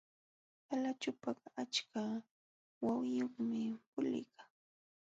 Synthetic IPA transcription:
alat͡ʃʊpɑχat͡ʃkʰa | wawɪjoχmɪpʊlɪ̰ka

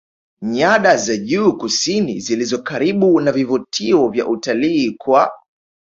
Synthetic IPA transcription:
ɲaɗazaʄuːkusinḭzilizɔkaɾiɓunavivutʰiɔvja̰ʔutaliːkwa

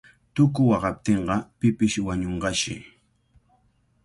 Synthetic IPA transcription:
t̪ʊkʊwɑɢɑp̚t̪eɴɢɑpɪpɪʃwaɲoɴɢɑʃɪ̰

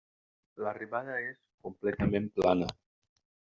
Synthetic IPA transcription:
lariβaðaeskomplɛt̪amemplanə

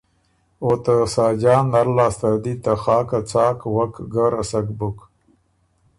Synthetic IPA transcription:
ot̪asaːd͡ʒaːnːaɾlaːst̪aɾd̪it̪axɑːkat͡sɑːkwakɡaɾasakbuk

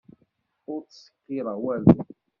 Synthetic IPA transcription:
ʊɾt͡ssə̥kːɪɾəʁwælu

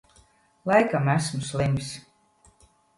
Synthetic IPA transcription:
lˠɑjkamæsmslemʲs

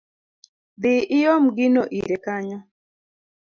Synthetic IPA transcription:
biʔɪjɔm̩ɡinɔʔḭɾɛkaɲɔ

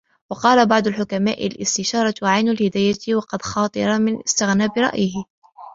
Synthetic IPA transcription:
wɑqɑːlabɑʕd̪ˤʊlħʊkamaːʔɪ̰lʔɪ̰st̪ɪʃɑːɾˤɑwʕajnʊlhɪd̪aːjawɑqɑd̪xɑːt̪ˤɨɾˤɑmɪnʔɪst̪ɪɣnaːbɪɾˤɑ̰ʔjɪhɪ

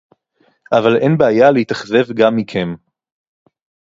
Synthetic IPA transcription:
ʔavale̞nbeajaleit̪aχze̞vɡamːikʰem

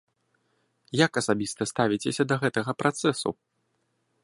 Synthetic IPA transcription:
jakɐsabʲist̪ɐst̪avʲit͡sʲesʲɐd̪ɐɣɛt̪ɐɣɐpɾat̪sɛsṵ

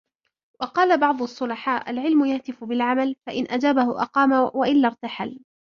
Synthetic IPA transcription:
wɑqɑːlabɑʕd̪ˤʊʔɑsˤːʊlɑħaːʔalʕɪlmʊjaht̪ɪfʊbɪlʕamalfaʔɪnʔad͡ʒaːbahʊʔɑ̰qɑːmawaʔɪlːaɾˤt̪aħal

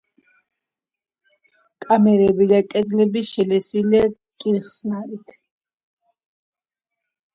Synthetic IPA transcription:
kʼamɛɾɛbid̪akʼɛd̪lɛbiʃɛlɛsilɛ | kʼiɾχsnaɾit̪ʰ

